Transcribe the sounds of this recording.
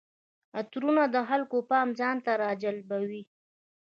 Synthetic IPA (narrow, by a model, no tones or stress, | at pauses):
at̪ɾunad̪əɦalkopɑmzɑnt̪aɾɑd͡ʒalbawi